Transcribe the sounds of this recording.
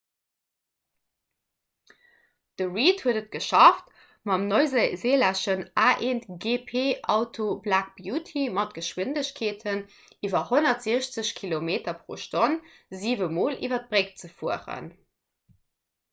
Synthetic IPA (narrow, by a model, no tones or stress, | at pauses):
d̥əʁiːthuədət̚ɡ̥əʃɑft | mɑmnozzeːlæʃənʔaːʔeːntɡeːpʰeːʔɑʊtʰoblaːk̚b̥juːtʰimɑt̚ɡ̥əʃwɪndəɕkʰeːtʰən | iːvɐhonɐtz̥iːəɕt͡səɕkʰilomeːtɐpʁo̰ːʃton | ziːvəmoːlʔiːvɐt̚b̥ʁek̚t͡səfuəʁə̰n